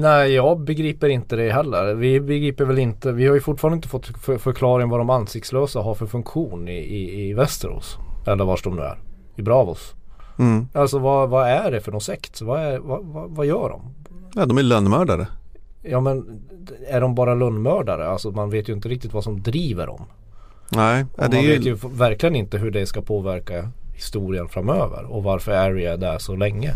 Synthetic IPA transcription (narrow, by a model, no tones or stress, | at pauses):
næɪjɑːɡbɛɡɾiːpəɾɪnt̪əd̪ɛɦɛlːə̰ɾvɪbɛɡɾiːpəɾvɛlɪnt̪əvɪhaɾjɵfʊʈfɑːɾnɪnt̪əfɔt̪ːfœfœɾkʰlɑːɾɪŋvad̪ɔmanːsɪkt̪sløːsaɦaɾfœɾfɵŋkɧuːnɪɪːvɛst̪əɾho̰ːsɛlːəɾvaʂɖɔmd̪ʉ̰ːæ̰ɾ | ɪbɾɑːvɔ̰s | alsɔvavaæɖɛfœɖɔsɛkt̪vaævavavajœːɖɔ̰m | nɛd̪ɔmælœnːmœːɖaɾə̰jɑːmɛnæɖɔmbɑːɾalœnːmœːɖaɾə̰alsɔmanveːt̪jɵɪnt̪əɾɪkt̪ɪt̪vasɔmd̪ɾiːvə̰ɾɔ̰m | nɛɪamd̪ɛanveːjɵvæɾklɪɡənɪnt̪əɦɵɖɛskapʰoːvæɾkahɪst̪uːɾɪənfɾamøːvə̰ɾɔvaɾfœɾæɾɪad̪ɛʂɔlɛŋːə